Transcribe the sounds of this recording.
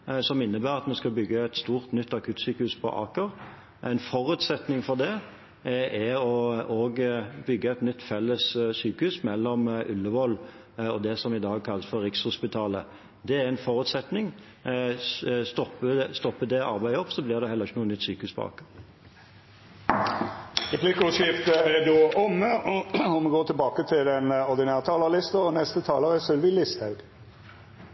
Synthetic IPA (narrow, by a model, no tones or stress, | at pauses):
sɔmɪnːəbæːɾɑt̪mɛskɑlbʏɡːəɛt̪st̪uːʁt̪nʏt̪ːɑkʰʉːt̪syːkəhʉːspʰɔ̰ʔɑ̰ːkəʁ | ʔæ̰ɪnfɔʁʉːt̪sɛt̪nɪŋfɔʁd̪ɛ | ʔɛɔoːɡbʏɡːəɛɪt̪nʏt̪ːfɛlːəssyːkəhʉsmɛlːɔmʔʉ̰lːəʋɔlː | ɔd̪ɛsɔmɪd̪ɑːɡ̚kʰɑlːəsfɔʁːɪkshʊspɪt̪ʰɑːlə | d̪ɛæʁæɪnfɔʁʉːt̪sɛt̪nɪŋ | st̪ɔpːəst̪ɔpːəd̪ɛɑ̰ɾbæɪɔpːsɔblɪʁd̪ɛhɛlːəʁɪçːənuːənʏt̪syːkəhʉːsbɑ̰ːk | ʁɛpʰlɪkʊʃɪft̪əæd̪oːɔmːəɔmɛɡoːʈ̪ʰɪlbɑːkət̪ʰɪlɛnɔʁd̪ɪnæːʁt̪ʰɑːləʁlɪst̪əɔnɛst̪ət̪ʰɑːləʁəsœlʋilɪst̪ɑʉɡ